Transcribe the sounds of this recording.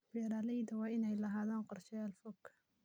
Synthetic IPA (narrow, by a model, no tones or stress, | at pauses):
bɛːɾaːlɛjðɐwɑːɪnɛjlɐɦaːðaːnqɔrt͡ʃɛlfɔkʰː